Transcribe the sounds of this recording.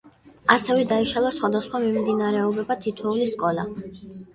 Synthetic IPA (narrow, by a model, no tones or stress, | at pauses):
asɛvɛd̪aiʃalˠasχwad̪asχwamimd̪inaɾɛɔbɛbat̪ʰit̪ʰɔuliskʼɔla̰